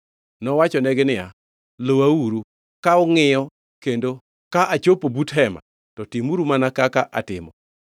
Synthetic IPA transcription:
nɔwat͡ʃɔnɛɡɪnɪja | lowauɾu | kaʊŋɪjɔ | kendo | kaʔat͡ʃopobutɦɛma̰ | tɔtimuɾumanakakaʔa̰tɪmɔ̰

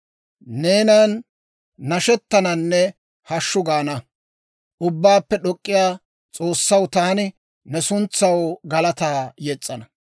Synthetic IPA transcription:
ne̞ːnɐnː | ɐʃɛt̪ːɐnɐnːɛ | hɐʃːʊɡaːnɐ | ʔʊbːaːpːɛɗɔkʼːɪjaː | t͡sʼo̞ːsːɐwt̪aːnɪ | nɛsʊnt͡sːɐwɡɐlɐt̪aːjɛt͡sʼːɐnɐ

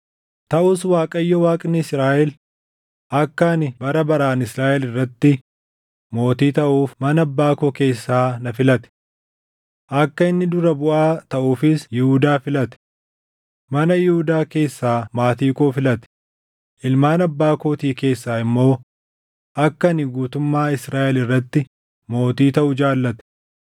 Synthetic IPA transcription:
t̪ɐʔʊswaːkʼɐjːɔwaːkʼnɪɪsɾaːʔɛl | ʔɐkːɐnɪbɐɾɐbɐɾaːnɪsɾaːʔɛlɪrːɐt̪ːɪ | mo̞ːt̪iːt̪ɐʔuːfmɐnɐɐbːaːkoːke̞ːsːaːnɐfɪlɐt̪ɛ̥ | ʔɐkːɐɪnːɪd̪ʊɾɐbʊʔaːt̪ɐʔuːfɪsjɪhud̪aːfɪlɐt̪ɛ̥ | mɐnɐjɪhʊd̪aːke̞ːsːaːmaːt̪iːkʼoːfɪlɐt̪ɛ̥ | ʔɪlmaːnɐbːaːkoːt̪iːke̞ːsːaːɪmːo̞ː | ʔɐkːɐnɪɡuːt̪ʊmːaːɪsɾaːʔɛlɪrːɐt̪ːɪ | mo̞ːt̪iːt̪ɐʔʊd͡ʒaːlːɐt̪ɛ̥

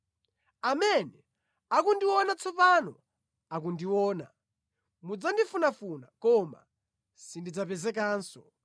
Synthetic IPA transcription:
amɛnɛ | akundiwɔnat͡sʰɔpanɔ | ak̬undiwɔːna̰ | mud͡zandifunafunakɔma̰ | sindid͡zapɛzɛkaːnsɔ̰

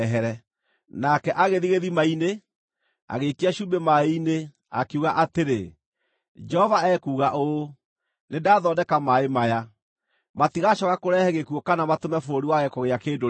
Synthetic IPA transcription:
ɦɛɾɛ | nakɛʔaɣeðiɣeðimaine | a̰ɣekiaʃuːbemaine | a̰keuɣaʔateɾe | d͡ʒɛhɔvaɛkuːɣaʔo | nedaːðɔdɛkamaemaja | matiɣaʃɔɣakoɾɛhɛɣekuokanamatomɛfoɾiwaɣɛkɔɣeakeːdo

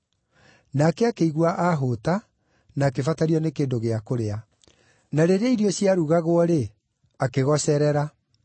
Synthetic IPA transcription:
naːkɛakeiɣwaʔaɦota | naːkefataɾiɔnekeːndoɣeakoɾea | naɾeɾeiɾiɔɕjaɾuɣaɣwɔɾe | akeɣɔsɛɾɛɾa

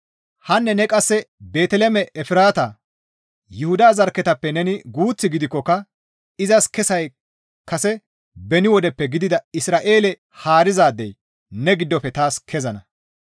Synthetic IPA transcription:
hɐnːɛnɛkʼɐsːɛbe̞ːt̪ɛlɛmɛʔɛfɪɾaːt̪ɐ | jʊhʊd̪aːzɐɾkːɛt̪ɐpːɛnɛnɪɡuːt͡sːɪɡɪd̪ɪkːɔkːɐ | ɪzɐskɛsɐj | kɐsɛ | bɛnɪwɔd̪ɛpːɛɡɪd̪ɪd̪ɐɪsɾaːʔeːlɛ | haːɾɪzaːd̪ːɛj | nɛɡɪd̪ːɔfːɛt̪aːskʰɛzɐnɐ

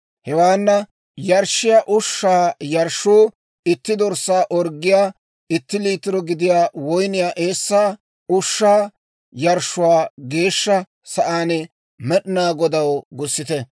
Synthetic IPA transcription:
hɛwaːnːɐ | jɐɾʃːɪjaːʔʊʃːaːjɐɾʃuː | ɪt̪ːɪd̪ɔɾsːaːʔɔɾɡːɪjaː | ɪt̪ːɪliːt̪ɪɾɔɡɪd̪ɪjaːwɔjnɪjaːʔe̞ːsːaː | ʊʃːaː | jɐɾʃːʊwaːɡe̞ːʃːɐ | sɐʔaːnɛ | mɛɗɪnaːɡɔd̪ɐwɡʊsːɪt̪ɛ

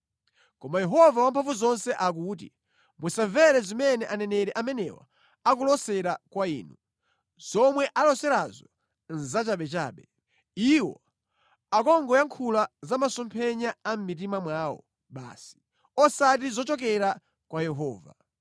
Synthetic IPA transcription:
kɔmajɛɦɔvawampʰaɱvuzɔnsɛʔak̬uːt̬ḭ | musaɱvɛɾɛzimɛnɛʔanɛnɛɾɛʔamɛnɛ̰wa̰ | akulɔsɛɾakwaḭːnu | z̥ɔmwɛʔalɔsɛɾazɔ | n̩zat͡ʃaɓɛt͡ʃa̰ːɓɛ | iwɔ̰ | akɔŋɡɔjaŋkʰulazamasɔmpʰɛɲaːm̩mit̬imamwaːwɔ̰ | ɓa̰ːsi̥ | ɔsat̬izɔt͡ʃɔk̬ɛɾa | kwajɛɦɔːva̰

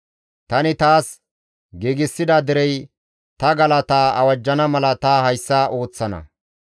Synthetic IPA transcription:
t̪ɐnɪt̪aːs | ɡeːɡɪsːɪd̪ɐd̪ɪɾɛj | t̪ɐɡɐlɐt̪aːɐwɐd͡ʒːɐnɐmɐlɐt̪ɐhɐjsːɐʔo̞ːt͡sːɐnɐ̰

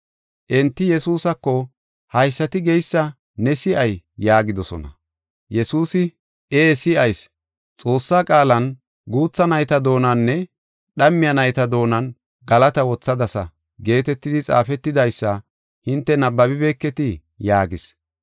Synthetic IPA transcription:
ʔɛnt̪ːɪjɛsuːsɐkːɔ | hɐjsːɐt̪ɪɡɛjsːɐ | nɛsɪʔɐjːaːɡɪd̪ɔsɔ̰nɐ̰ | jɛsuːsɪ | eːsɪʔɐjs | t͡sʼo̞ːsːaːkʼaːlɐn | ɡuːt͡sːɐnɐjt̪ɐd̪o̞ːnɐnːɛ | ɗɐmːɪjɐnɐjt̪ɐd̪o̞ːnɐn | ɡɐlɐt̪ɐwɔt͡sːɐd̪ɐsɐ̰ | ɡe̞ːt̪ɛt̪ːɪd̪ɪt͡sʼa̰ːfɛt̪ːɪd̪ɐjsːɐ | hɪnt̪ːɛnɐbːɐbɪbe̞ːkːɛt̪ɪ | jaːɡɪs

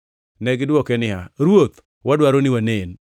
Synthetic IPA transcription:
nɛɡɪdwɔkɛnɪɦaɾwot̪ | wadwaɾonɪwanen

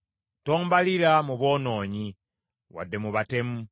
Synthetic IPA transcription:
toːmbaliɾamuβo̞ːno̞ːɲi | wa̰dːe̞muβate̞mu

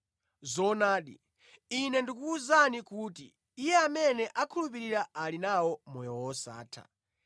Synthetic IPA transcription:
zɔnaːɗḭ | inɛndik̬uːzanikuːtiː | jɛamɛnɛʔakʰulup̬iɾiɾaalinawɔmɔjɔwɔsa̰ːtʰa̰

